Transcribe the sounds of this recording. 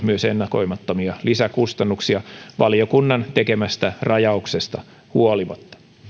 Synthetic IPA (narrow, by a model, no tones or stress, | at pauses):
myøsenːɑko̞jmɑt̪ːomiɑlisækust̪ɑnːuksiɑʋɑljokunːɑnt̪e̞ke̞mæst̪ærɑjɑuksest̪ɑ | huoliʋɑt̪ːɑ̥